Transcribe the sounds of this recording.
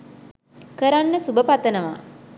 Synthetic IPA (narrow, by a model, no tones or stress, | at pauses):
kəɾanːəsubəpat̪ənəʋa̰